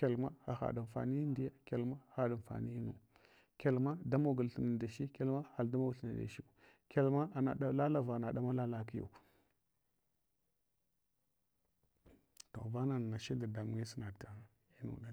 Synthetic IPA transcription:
e˨lma˦xa̰˨xa̰˨da˨n˨fa̰˨ni˦i˦n˦di˦ja˦ke˨lma˦xa˦da˨n˨fa̰˨ni˦i˦nṵ˨ | ke˨lma˦da˦ma˦˨ɡu˨lɬə˨na˨da˨ʃi˦ke˦lma˦xa˨lda˦ma˦˨ɬə˨na˨da̰˨ʃi˦k | ke˨lma˦˨na̰˨a˦la˦la˦˨va˨na˨ɗa˦ma˦la˦la˦ki˦jṵ˨k | to̰˨va˦na˨n˨na˨ʃi˦da˨da˨m˨ŋi˦si˦na˨a˨ | i˦nṵ˨da˦˨

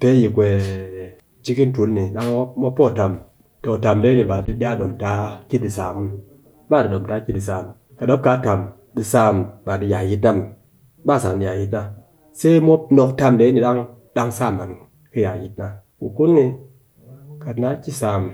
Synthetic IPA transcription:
pe˦ji˨kʷe˨ | d͡ʒi˦ki˦n̩˦tu˦nː˦i˨ɗa˦ŋ˦mo˦pːo˦˨ta˨m | to˨ta˨mle˦ni˨ba˨di˦da˦˨ɗo˨mta˦ki˦t̚di˨saː˨mu˦n˦ | ba˦˨di˨ɗo˨mta˦kʲi˦di˨s̬aː˨m˨ | ka˨do˦p̚ka˨˦ta˨m | di˨sa˦˨mba˨di˧ja˨ji˧˦t̬na˦˨m˦ | ba˦˨sa˨ŋ˨di˨ja˨ji˧tna˦ | se˦mo˦pno˧kta˦mde˨˦ni˨ɗa˦ŋ | da˦ŋ˦saː˦˨ma˨n | kɨ˦ja˨ji˦t̚na˦ | ku˨ku˦nni˧ | ka˨tna˦t͡ʃi˦saː˨m

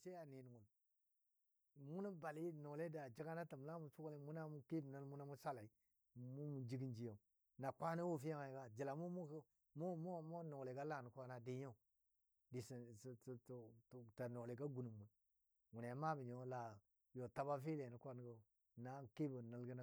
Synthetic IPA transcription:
se˦a˨ni˨n˨ŋu˨l | mu˦na˦ba˨li˦no˨le˦da˨d͡ʒi˦ɡa˦na˦tə˨m˨la˦mu˨su˦kle˦mu˦na˦mu˦ki˦bnə˦lmu˦na˦mu˦sa˦la˨i˦˨ | mu˦mu˨d͡ʒi˦ɡi˦nd͡ʒi˨jo˨ | na˨kʷa˦na˦wo˦fi˦ja˦ŋa˨ɡa˦d͡ʒi˨la˨mu˦mu˦k | mo˦mo˦˨mo˦no˨le˨ɡa˦la˨nu˨kʷa˦na˨di˨˦ɲo˦˨ | di˨si˨sta˨no˨le˨ɡa˦ɡu˨nu˨mːu˨n | wu˨ne˨˦ma˦bi˨ɲo˨˦la˨ | jo˨ta˦ba˦f̬i˦le˨ni˨˦kʷa˦n˦ɡo˨ | na˦ki˦bə˨nə˨lɡə˦na˦

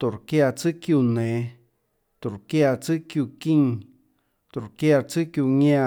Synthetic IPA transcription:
t̪o˨ɾkja˧t͡sɨ˦kju˧nẽ˨˦ | t̪u˨ɾkja˧t͡sɨ˦ʔkju˧kĩ˦˧ŋ | t̪o˨ɾkja˧t͡sɨ˦kju˧ɲã˧

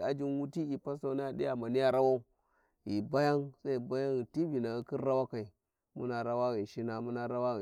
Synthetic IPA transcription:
a˨d͡ʒi˦nwu˦ti˦i˨pa˦sa˦na˦ja˨ɗi˦ja˨ma˨ni˦ja˦ɾa˦wa˦u˦ | ji˨ba˦ja˦ŋsa˦i˨ba˦ja˦ŋi˨ti˦bi˨na˨i˦ki˦ɾa˦wa˦ka˨i˨ | mu˦na˨ɾa˦wa˦ɣi˨ʃi˦na˦mu˦na˦ɾa˦wa˦i˨

